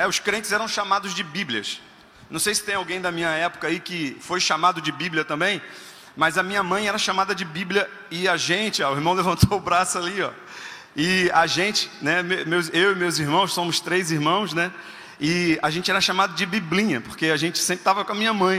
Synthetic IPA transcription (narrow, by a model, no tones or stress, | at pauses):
ɛʊskɾẽnt͡ʃɪzɛɾɐ̃w̃ʃamad̪ʊzd͡ʒɪbiblʲiɐ̰s | nɐ̃w̃sejsɪt̪ẽj̃awɡẽj̃d̪ɐmĩɲɐɛpʊ̥kɐaikɪfojʃamad̪ʊd͡ʒɪbibliɐt̪ɐ̃mbẽj̃ | mɐzɐmĩɲɐmɐ̃j̃ɛɾɐʃamad̪ɐd͡ʒɪbibljɐ | ɪɐʒẽnt͡ʃɪaʊiɾmɐ̃w̃levɐ̃nt̪owʊbɾasʊaliɔ̰ | ɪaʒẽnt͡ʃɪ̥nɛmemewzewɪmewziɾmɐ̃w̃ssõmʊst̪ɾejziɾmɐ̃w̃snɛ | ɪaʒẽnt͡ʃɪɛɾɐʃamad̪ʊd͡ʒɪbiblĩɲɐpoɾkeaʒẽt͡ʃɪ̥sẽpɾɪt̪avɐkõɐmĩɲɐmɐ̃j̃